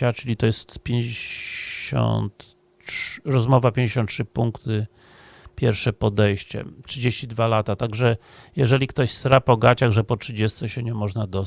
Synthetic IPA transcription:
at͡ʂɘlʲit̪ɔjɛst̪pʲjeɲd͡ʑeɕɔ̰nt̪ | ʂɾɔzmɔvapʲjẽɲd͡ʑeɕɔnt̪̚tʂɘpuŋkt̪ɘ | pʲjɛɾfʂɛpɔd̪ɛjɕt͡ɕɛ̰tʂɘd͡ʑeɕt͡ɕid̪valat̪at̪aɡʐɛ | jɛʐɛlʲikt̪ɔɕsɾapɔɡat͡ɕaɣʐɛpɔtʂɘd͡ʑɛst̪sɛɕɛɲɛmɔʐnad̪ɔ

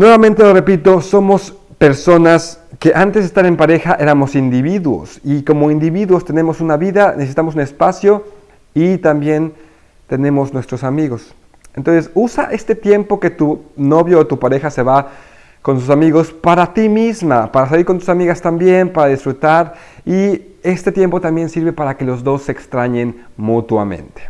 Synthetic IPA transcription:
nwe̞βamẽnt̪e̞lore̞pit̪o̞so̞mo̞spe̞ɾso̞naske̞ʔant̪ezðest̪aɾe̞mpaɾe̞xaʔe̞ɾamo̞sind̪iβiðwo̞̰siko̞mo̞ind̪iβiðwo̞st̪e̞ne̞mo̞sunaβiðanesesi̥t̪amos̬une̞spasjo̞ | it̪ambje̞n | t̪e̞ne̞mo̞znwe̞st̪ɾo̞samiɣo̞s | ent̪onsesusaʔe̞st̪e̞t̪je̞mpo̞ke̞t̪uno̞βjoːt̪upaɾe̞xase̞βa | ko̞ns̬us̬amiɣo̞spaɾat̪imizmapaɾas̬aliɾko̞nt̪u̥samiɣast̪ambje̞npaɾaðisfɾut̪aɾ | ie̞st̪e̞t̪je̞mpo̞t̪ambje̞nsiɾβe̞paɾake̞lo̞zðo̞sːe̞ːkst̪ɾaɲe̞nmut̪wa̰mḛ̃nt̪e̥

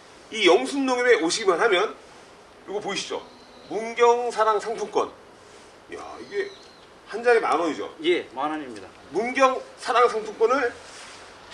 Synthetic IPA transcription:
ijʌŋsʰunːoŋiɾeoɕʰiɡimanɦamjʌn | kɯɾɡopoiɕʰid͡ʑo̰ | munɡjʌŋsʰaɾaŋsʰaŋtʰok͈ʌ̰n | ja̰iɡe | hand͡ʑaɡema̰nʌid͡ʑo̰jemanɦaɲimɲida | munɡjʌŋsʰaɾaŋsʰaŋtʰok͈wʌnɯɭ

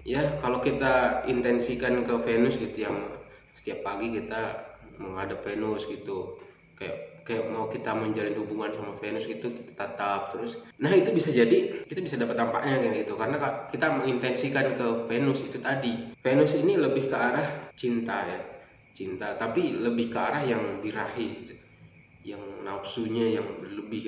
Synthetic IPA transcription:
jakalokit̪aint̪ɛnsikankəfenʊsɡit̪ujaŋ | sə̥t̪iapːaɡikit̪a | məŋadapfenʊsɡit̪u | kaja̰ʔkajaʔmaukit̪aməɲd͡ʒalɪnɦubuŋansamafenʊsɡit̪uki̥t̪ḁt̪at̪ap̚t̪əɾʊs | nahit̪ubisad͡ʒadikit̪abisadapat̪ːampa̰ʔɲakiɡit̪ukaɾənakakit̪aməŋint̪ɛnsikankəfenʊsit̪ut̪adifenʊsiniləbɪhkəaɾaht͡ʃint̪aja | t͡ʃint̪at̪apiləbɪhkəaɾahjaŋbiɾaɦi | jaŋnapsuɲajaŋbələbɪh

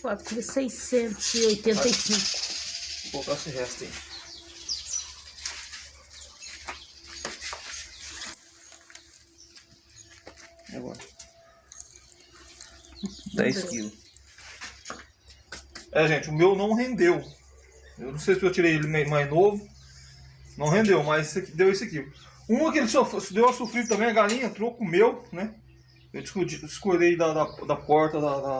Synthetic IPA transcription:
kat̪ɾfɾisejsẽnt̪ʊziojt̪ẽnt̪ɐjsĩkʊ̥pok̪asiɦɛst̪ḛ̃ḭ̃ | a̰ɡɔ̰ɾɐ | d̪ɛ̰jskilʊ | ɛʒẽt͡ʃɪʊmewnɐ̃w̃ɦẽnd̪ew | ewnɐ̃w̃sejsɪewt͡ʃiɾejelɪmajmajznovʊ | nɐ̃w̃ɦẽd̪ewmɐjzsɐkid̪ewesʊɐki | ũmɐkɪelɪsofsd̪ewɐsofɾid̪ʊt̪ɐ̃mẽj̃ɐɡalĩɲɐ̃t̪ɾokʊʊmewnɛ | ewd͡ʒɪsod͡ʒid͡ʒɪskolejd̪ɐd̪ɐd̪ɐpɔɾt̪ɐd̪ɐd̪ɐ

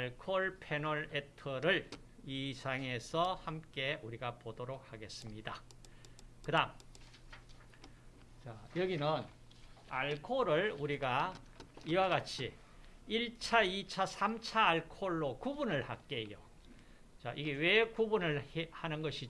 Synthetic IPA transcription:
aɭkʰoɭpʰe̞nʌɭetʰʌɾɯɭ | isʰaŋe̞sʰʌhamk͈e̞uɾiɡapodoɾok̚haɡe̞s͈ɯmɲida | kɯdaŋ | t͡ɕajʌɡinɯn | a̰ɭkʰoɾɯɭuɾiɡa | iwaɡat͡ɕʰi | iɭt͡ɕʰait͡ɕʰasʰamt͡ɕʰaːɭkʰoɭːokubunɯɭhak͈e̞jo̰ | t͡ɕaʔiɡe̞we̞kubunɯɭehanɯnɡʌɕʰi

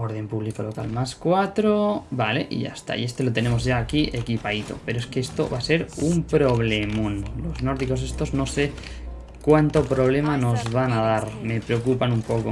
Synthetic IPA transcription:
oɾð̞e̞mpuβlikolo̞ka̰lmaskwat̪ɾobale̞̰ʔḭʝa̰st̪a̰ḭe̞st̪e̞lot̪e̞ne̞mo̞zʝaːkiʔe̞kipait̪o̞̰pe̞ɾoeskeest̪o̰βase̞ɾumpɾo̞βlemunlo̞zno̞ɾðiko̞s̬est̪o̞zno̞se | kwant̪o̞pɾo̞β̞le̞mano̞zβanað̞aɾme̞pɾeokupanumpoko

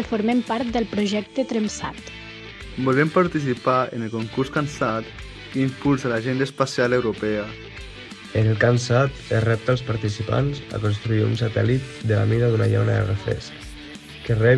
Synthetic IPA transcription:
əfoɾmempaɾt̪̚d̪əlˠpɾuʒɛk̚t̪ət̪ɾəmsa̰t̪ | bolempaɾt̪isipaenelkoŋkuɾskansat̪ | kimpulˠzalaʒend̪aspasialewɾopɛa | ənəlˠkansat̪erɛp̚t̪alˠspaɾt̪isipa̰nza̰konst̪ɾuiṵnsat̪ɛ̰lit̪̚d̪əla̰miðaðuna̰ʎa̰wnaðə̰refɾɛ̰sk | kerɛ

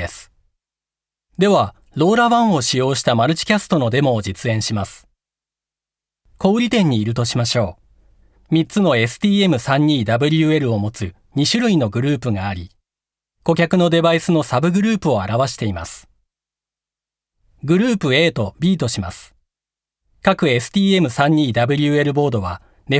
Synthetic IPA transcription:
esɨ̥ | d̪e̞βa | ɾo̞ːɾaβãɰ̃o̞ɕijo̞ːɕi̥t̪amaɾɯ̟t͡ɕi̥kʲasɨ̥t̪o̞no̞d̪e̞mo̞ːd͡ʑit͡sɨẽ̞ɰ̃ɕimasɨ̥ | ko̞ːɾʲit̪ẽ̞ɲ̟ːiːɾɯ̟t̪o̞ɕimaɕo̞ː | mʲit͡sɨno̞e̞sɨ̥t̪ʲiːe̞mɯ̟sãɲ̟ːiːd̪abɯ̟ɾʲɯ̟e̞ɾɯ̟o̞mo̞t͡sɨ | ɲ̟iɕɨɾɯ̟ino̞ɡɯ̟ɾɯ̟ːpɯ̟ɡaːɾʲi | ko̞kʲakɯno̞d̪e̞baisɨno̞sabɯ̟ɡɯ̟ɾɯ̟ːpɯ̟o̞aɾaβaɕi̥t̪e̞ima̰sɨ̥ | ɡɯ̟ɾɯ̟ːpɯ̟e̞ːt̪o̞bʲiːt̪o̞ɕima̰sɨ̥ | kakɯ̟e̞sɨ̥t̪ʲiːe̞mɯ̟sãɲ̟ːiːd̪abɯ̟ɾʲɯ̟e̞ɾɯ̟bo̞ːd̪o̞βa | ne̞

